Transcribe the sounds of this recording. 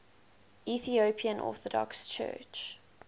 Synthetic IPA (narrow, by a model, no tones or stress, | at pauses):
iθiopʰiə̃nʔɔ̰ːθɔdɔ̰kst͡ʃʰɜ̰ːt͡ʃ